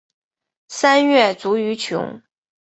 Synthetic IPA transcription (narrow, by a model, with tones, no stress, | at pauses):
sa˥nɥɛ˥˩t͡su˧˥y˧˥t͡ɕʰjʊ̰˧˥ŋ